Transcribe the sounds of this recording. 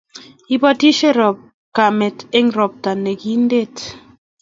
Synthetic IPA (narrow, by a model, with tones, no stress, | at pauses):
i˦bɔ˦ti˦ʃe˦˨ɾɔ˨p̚ | ka˨me˨te˦ŋ˦ɾɔ˨p̚ta˨ne˨ɡi˦n˦de˦˨t